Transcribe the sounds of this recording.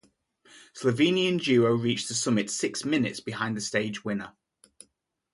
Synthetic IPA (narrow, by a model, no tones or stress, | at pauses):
sləvĩːniə̃nd͡ʒʉːɹəʊɹiˑt͡ʃðəsʊmɪtsɪksmɪnɪ̰tsb̥ɪɦãɪ̃nðəsteɪd͡ʒwɪ̃nə